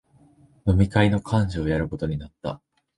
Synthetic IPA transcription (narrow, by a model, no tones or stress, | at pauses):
no̞mʲikaino̞kʰãɲ̟d͡ʑio̞jaɾɯ̟ko̞t̪o̞ɲ̟inat̪ːa̰